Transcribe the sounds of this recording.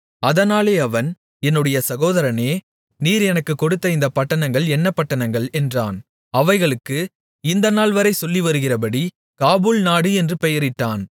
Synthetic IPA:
ɐðɐnaːleːɐʋɐn | ɛnːɯɽɐjɐsɐɣoːðɐɾɐneː | niːɾɛnɐkːɯkːɔɽɯt̪ːɐɪnd̪ɐpɐʈːɐnɐŋɡɐɭɛnːɐpːɐʈːɐnɐŋɡɐɭɛndraːn | ɐʋɐɪɣɐɭɯkːɯ | ɪnd̪ɐnaːlʋɐɾɐɪsɔlːiʋɐɾɯɣɪrɐpɐɽi | kaːbulnaːɽɯɛndrɯpɛjɐɾɪʈːaːn

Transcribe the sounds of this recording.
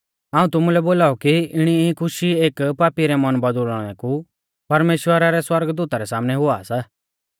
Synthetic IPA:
aːũt̪ʊmulɛboːlaːɔkiɪɽ̃ikʰʊʃieːkpaːpiɾɛmɐnbɐd̪ulɽ̃ɛ̃ku | pɐɾmeːʃwəɾaɾɛswɐɾɡd̪uːt̪aɾɛsaːmnɛɦʊasa

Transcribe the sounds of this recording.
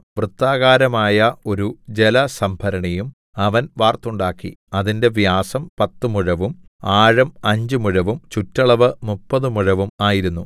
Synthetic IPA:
ʋrɨt̪ːaːɣaːɾɐmaːjɐo̞ɾud͡ʑelɐsɐmbʱɐɾɐɳɐjum | ɐʋɐnʋaːrt̪ːuɳɖaːkːḭɐðinde̞ʋjaːsɐmpɐt̪ːɨmuɻɐʋumaːɻɐmɐɲd͡ʑɨmuɻɐʋumt͡ɕutːɐɭɐʋɨmupːɐðɨmuɻɐʋumaːjiɾunːu

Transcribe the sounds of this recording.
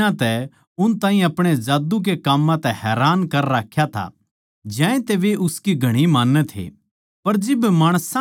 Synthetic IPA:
ãt̪ɛ | ʊnt̪ãːɦĩɐpɽ̃ezaːd̪uk̬ekaːmːãt̪ɛɦɛːɾaːnkɐɾɾaːkʰjat̪ʰa̰ | d͡ʒɛ̃ːẽt̪eʋeʔʊskiɡʱɐɽ̃imaːnːət̪ʰḛ | pɐɾd͡ʒɪbmaːɽ̃sã

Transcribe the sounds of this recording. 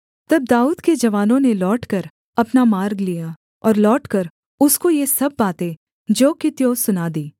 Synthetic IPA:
t̪ɐb̚d̪aːuːd̪ked͡ʒɐʋaːnõnelɔːʈkɐɾ | ɐpnamaːɾɡlija | ɔːɾlɔːʈkɐɾ | ʊskojesɐbːaːt̪ẽ | d͡ʒoːkɪt̪josʊnaːd̪iː

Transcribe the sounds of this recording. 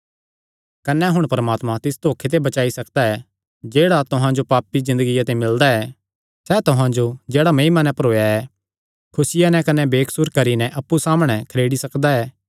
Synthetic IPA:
kɐnɛɦʊɽ̃pɐɾəmaːt̪mãt̪ɪst̪oːkʰet̪̬ebɐt͡ʃaːisɐkd̪aɛ | d͡ʒeːɽat̪ʊɦãd͡ʒopaːpizɪ̃nd̪əɡɪjat̪emɪld̪aɛː | sɛt̪ʊɦãd͡ʒod͡ʒeːɽamɐimanɛpɐɾoːjaɛ | kʰʊsɪjanɛkɐnɛbeːkʰsuɾkɐɾinɛʔɐpːusaːmɽ̃ɛkʰɐɾeːɽisɐkd̪aɛː

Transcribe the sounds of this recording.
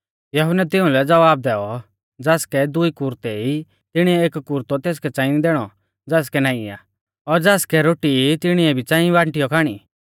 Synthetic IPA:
jɐɦʊnɛt̪̬ɪʊ̃lɛd͡zɐʋaːb̚d̪ɛːɔ | d͡zaːskɛd̪ʊikʊɾt̪ɛi | t̪ɪɽ̃iɛeːkːʊɾt̪ot̪eːs̬kɛt͡sãːɪ̃nid̪ɛːɽ̃ɔ | d͡zaːskɛnãːĩa̰ | ɔɾd͡zaːskɛɾoːʈit̪ɪɽ̃iɛbʱit͡sãːĩʋaːɳʈɪjɔkʰaːɽ̃i

